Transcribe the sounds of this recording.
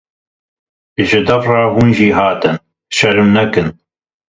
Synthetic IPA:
ʒɪd̪ɐfrɑːɦuːnʒiːɦaːt̪ɨn | ʃɐɾɨmnɐkɨn

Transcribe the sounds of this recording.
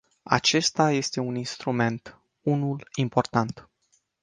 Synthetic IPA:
a̰t͡ʃe̞st̪aje̞st̪e̞uninst̪ɾume̞nt̪ | unulimpo̞rt̪ant̪

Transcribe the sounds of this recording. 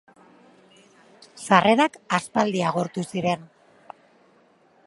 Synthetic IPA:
sare̞ɾakaspald̪iaɣ̞oɾt̪usiɾe̞n

